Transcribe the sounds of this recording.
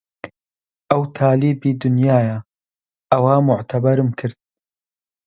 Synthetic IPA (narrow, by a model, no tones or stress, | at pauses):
ʔɐwt̪ʰaːliːbiːd̪ʊnjaːja | ʔɐwaːmʊʕt̪ʰɐbɐɾɨmkʰɨɾd̪̚